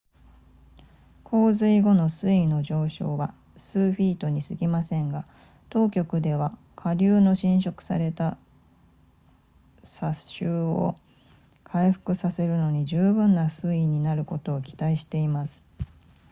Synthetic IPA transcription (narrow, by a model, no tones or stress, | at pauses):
kʰo̞ːzɨiɡo̞no̞sɨino̞ʑo̞ːɕo̞ːβa | sɨːɸʲiːt̪o̞ɲ̟isɨɡʲimasẽ̞ŋɡa | t̪o̞ːkʲo̞kɯ̟d̪e̞βa | kʰaɾʲɯːno̞ɕĩɰ̃ɕo̞kɯ̟̥sa̰ɾe̞t̪a | saɕɨːo̞̰ | kʰaiɸɯ̟̥kɯ̟sase̞ɾɯ̟no̞ɲ̟iʑɨːbɯ̟̃nːasɨiɲ̟inaɾɯ̟ko̞t̪o̞ːkʲi̥t̪aiɕi̥t̪e̞imasɨ̥